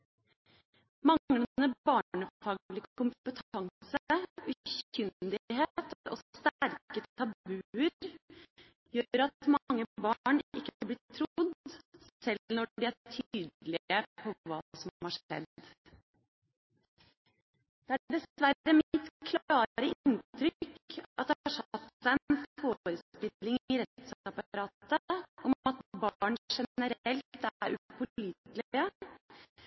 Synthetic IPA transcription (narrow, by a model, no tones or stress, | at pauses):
mɑŋlənəbɑːɳəfɑːɡlɪkkʰʊmət̪ʰɑŋsəʉçʏnd̪ɪɦeːt̪ʰɾʔɔ̰sst̪æɾkət̪ʰɑbʉəɾ | jøːɾɑt̪mɑŋːəbɑɳɪ̰kːəɑblɪt̪ʰːɾʊd̪sɛlnɔɖɪæʈʰyːd̪lɪəpʰɔʋɑ̰ːsɔmhɑʂɛ̰d̪ | d̪̥ɛæɖɛsʋæɾəmɪt̪kʰlɑːɾəɪnt̪ɾʏkɑt̪̚d̪ɛɑʂɑt̪sæɪənffoːɾəst̪ɪlːɪŋɪɾɛt̪sɑpɑɾɑːt̪əʔɔmɑt̪bɑːɳʂɛəɾɛlt̪t̪æɾʉpʊliːt̪lə